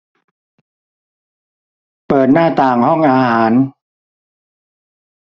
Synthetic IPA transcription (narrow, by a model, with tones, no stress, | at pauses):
pɤː˨˩t̪̚naː˥˩t̪aː˨˩ŋhɔ˥˩ŋʔaː˧haː˩˦n